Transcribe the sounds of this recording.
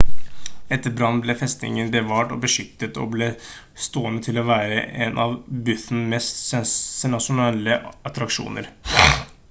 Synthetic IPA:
ɛt̪ːəɾbɾɑnːblɛfɛst̪nɪ̰ŋənbəʋɑːʈɔ̰bəʂʏk̚t̪ət̪ɔ̰bleː | st̪oːənət̪ʰɪlɔʋæːɾəʔɛnʔɑʋbʉθn̩mɛst̪sɛɛnɑʂʊnɛːləɑt̪ɾɑkʂṵːnə̰ɾ

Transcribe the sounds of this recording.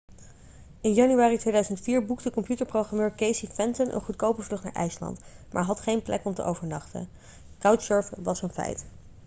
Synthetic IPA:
ɪnjɑnyaːritʋejdœɥzəntfiːɹbukdəkɔmpjutəɹprowχrɑmøːɹkejsifɛntənʔə̰nχutkowpəvlɵχtna̰ːɹʔɛ̰jslɑ̰ntmʔa̰ːɹɦɑtχejnplʔɛ̰kɔmtə̰ʔowvəɹnɑχtə̰ | kawtʃøɹfʋɑsənfɛ̰jt

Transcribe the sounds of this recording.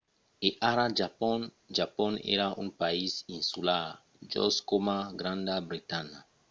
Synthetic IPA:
eʔaɾad͡ʒapɔn | d͡ʒapɔnḛɾaʔṵŋpaizinsulaɾ | d͡ʒɔ̰skomaɡɾãnd̪abɾit̪ana

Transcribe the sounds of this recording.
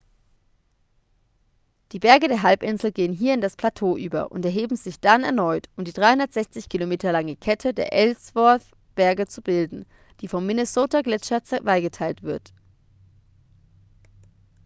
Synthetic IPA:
d̥iːbɛɐɡədeːɐɦalpʔɪnzl̩ɡeːənɦiːɐɪndaspʰl̥atʰoːʔy̰ːbɐ̰ʔʊ̰ntɛɐɦeːbm̩zɪçd̥anɛ̰ɐnɔʏtʔʊmdiːdʁaɪhʊndɐtz̥ɛçt͡sɪçkʰilomeːtɐlaŋəkʰɛtʰədḛːɐʔɛlsv̥ɔɐθ | b̥ɛɐɡət͡subɪldn̩ | d̥iːfɔmːinəsoːtaɡlɛt͡ʃɐt͡svaɪɡətʰaɪltv̥ɪɐt

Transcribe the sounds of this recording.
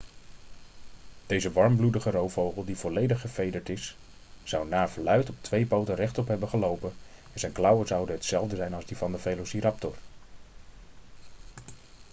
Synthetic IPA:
d̥ejzəʋɑɹmbludəχərowfowχəlˠdiv̥ɔlejdəχːəfejdəɹtɪsː | ɑwnaːɹv̥əlœɥtɔp̚tʋejpowtərɛχtɔpɦɛbəχəlowpənɛnzɛjnklɑwəzɑwdəɦətsɛlˠvdəzɛjnɑlˠzdivɑndəvejlosiɾɑp̚tɔr

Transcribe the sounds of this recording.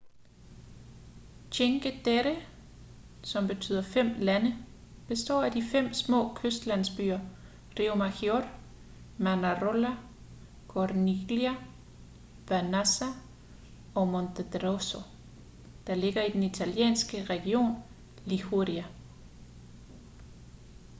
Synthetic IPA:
ɕʰeŋɡ̥əd̥eʁe | sɒ̽mb̥e̝t͡sʰy̰ːð̰ˠɐfem̰lænə | b̥e̝sd̥ɒ̰ːæd̥ifem̰smɔ̰̽ːkʰøsd̥læn̰sb̥y̰ːɐ | ʁiomækjor | mænæʁolæ | kʰɔrniliæ | ʋænæsæ | ɒ̽mondʰed̥ʁoso | d̥ɑ̈le̝ɡ̥ɐid̥enit͡sʰæljḛːnsɡ̥əʁɛɡ̥io̝̰ːn | lihoʁiæ

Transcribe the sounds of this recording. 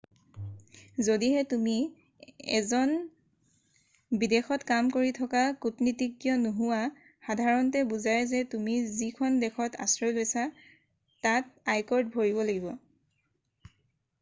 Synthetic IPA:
zodiɦɛtumi | ɛ̰zɔn | bidexɔtkamkoɹitʰɔkakutnitikːjɔnuɦuwa | xadʱaɹɔntɛbuzajzɛtumizikʰɔndɛkʰɔta̰sɹɔlojsa | tatajkɔɹdbʱoɹibɔlaɡibɔ

